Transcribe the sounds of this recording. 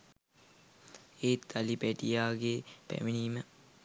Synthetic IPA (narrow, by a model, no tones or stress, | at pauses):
eːt̪alipæʈijaːɡeːpæ̰ʋiniːmə